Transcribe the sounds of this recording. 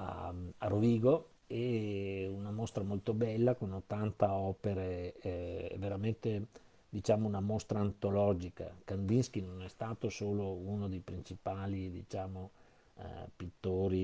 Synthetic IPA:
a̰aroviːɡo | ɛ | unamost̪ɾamolt̪obɛlːakonot̪ːant̪aɔːpeɾeɛɛ̰vːeɾament̪e | d̪it͡ʃaːmounamost̪ɾaːnt̪olɔd͡ʒika̰kand̪insk̟inonɛst̪aːt̪osoːlounod̪ejpɾint͡ʃipaːlid̪ḭt͡ʃaːmo̰ | pit̪ːoːɾi

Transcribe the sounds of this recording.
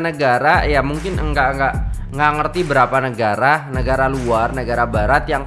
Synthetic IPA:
nəɡaɾajamuŋkɪnəŋɡaʔŋɡaʔ | ŋɡaʔŋərt̪ibəɾapanəɡaɾanəɡaɾaluarnəɡaɾabaɾat̪jaŋ

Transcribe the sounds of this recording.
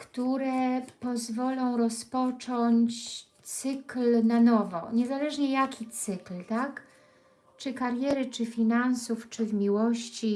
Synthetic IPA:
kt̪uɾɛpɔzvɔlɔ̃w̃ɾɔspɔt͡ʂɔɲt͡ɕ | t̪sɘklnanɔvɔ̰ɲɛzalɛʐɲɛjakʲit̪sɘklt̪ak | t͡ʂɘkaɾjɛɾɘt͡ʂɘfʲinansuft͡ʂɘvmʲiwɔɕt͡ɕi

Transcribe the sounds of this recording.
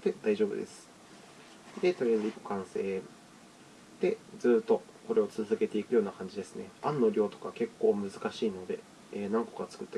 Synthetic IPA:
d̪e̞d̪aiʑo̞ːbɯ̟d̪e̞sɨ̥ | d̪e̞t̪oɾiazɨiko̥kãɰ̃se̞ː | d̪̥e̞d͡zɨːt̪ːo̞ | ko̞ɾe̞o̞t͡sɨzɨɡe̞t̪e̞ikɯ̟jo̞ːnakãɲ̟d͡ʑid̪e̞sɨne̞̰ãnːo̞ɾʲo̞ːt̪o̞̥kake̞kːo̞ːmɯ̟zɨkaɕiːno̞d̪e̞ | eːnãŋko̞̥kat͡sɨ̥kɯ̟t̪ːa

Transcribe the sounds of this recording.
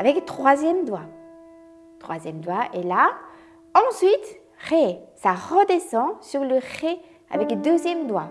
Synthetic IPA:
avɛkt̪χwazjɛmd̪wa | t̪χwazjɛmd̪waela | ɑ̃sɥit̪ | ʁesaʁəd̪esɑ̃syʁləʁe | a̰vɛkd̪øzjɛmd̪wa

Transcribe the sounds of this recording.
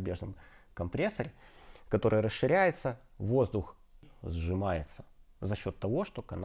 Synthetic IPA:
bʲeʐnɨmkɐmpɾʲesːəɾʲɪkɐt̪o̞ɾɨjɾəsʂɨɾʲæjɪt̪sə | vo̞zd̪ʊx | zʐɨmajɪt̪sə̥zɐɕːo̞t̪ːɐvo̞ʂt̪o̞kɐn

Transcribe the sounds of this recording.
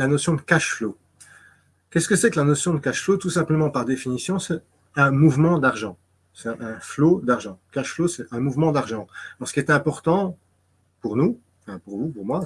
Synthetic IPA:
anɔsjɔ̃d̪əkaʃflo | kɛsə̥kəsɛklanɔsjɔ̃d̪əkaʃflot̪usɛ̃pləmɑ̃paʁd̪efinisjɔ̃sɛ | ɛ̃muvmɑ̃d̪aʁʒɑ̃ | sɛɛ̃flod̪aʁʒɑ̃kaʃflosɛɛ̃muvmɑ̃d̪aʁʒɑ̃lɔʁsəkʲiɛt̪ɛ̃pɔʁt̪ɑ̃ | puʁnũ | fɛ̃puʁvupuʁmwa

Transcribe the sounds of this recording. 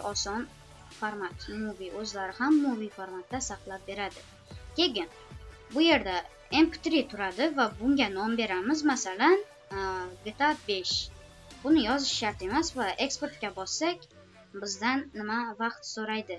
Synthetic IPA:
ɒsɒn | faɾmat̪mʊviʔɵzlaɾɪhamːʊvifoɾmat̪̚d̪ːasaqlˠap̚be̞ɾad̪ɪ | kʲe̞ɡʲɪn | bʊje̞ɾd̪a | empɪ̥t̪ɾit̪ʰʊɾad̪ɪvabʊŋɡʲanɒmbe̞ɾamɪzmasalan | ɡet̪ʰabe̞ʃ | bʊnɪjɒzɪʃʃaɾt̪e̞masvaʔe̞kspe̞ɾt̪̚kʲabɒsːakʲ | bɪzd̪anːɪmavɑqt̪soɾajd̪ɪ

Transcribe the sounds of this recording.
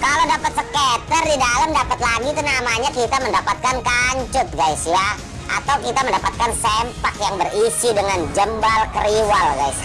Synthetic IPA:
kaladapat̪̚səket̪ərdidalamdapat̪laɡit̪unamaɲakit̪aməndapat̪̚kankaɲt͡ʃʊt̪̚ɡaisja | ʔa̰t̪awkit̪aməndapat̪̚kansɛmpak̚jaŋbərisidəŋand͡ʒəmbalkəɾiwalɡajs

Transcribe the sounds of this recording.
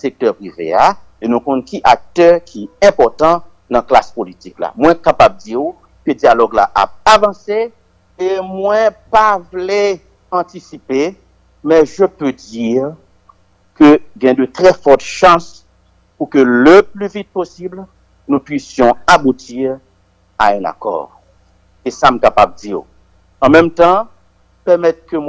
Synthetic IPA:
sek̚t̪œʁpʁivḛa | enũkɔ̃nkiʔak̚t̪œʁkʰiɛ̃pɔʁt̪ɑ̃ | nãkla̰spolit̪ikla̰mwɛ̃kapab̚d͡zi | kødialɔɡla̰ʔa̰p̚avɑ̃se | emwɛ̃pavle | ɑ̃t̪isipe | mɛ̃ʒəpød͡ziʁ | køɡɛ̃d̪ət̪ʁɛfɔt̪ʃɑ̃s | pukøləplyvit̪̚posibl | nũpɥisjɔ̃abutiʁ | a̰ɛ̃na̰kɔ̰ʁ | esamkapab̚dio̰ | ɑ̃mɛmt̪ɑ̃ | pɛʁmɛt̪̚køm

